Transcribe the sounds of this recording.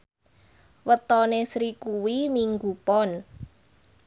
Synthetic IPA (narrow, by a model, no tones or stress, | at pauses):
wət̪ɔnesɾikuwimiŋɡupɔn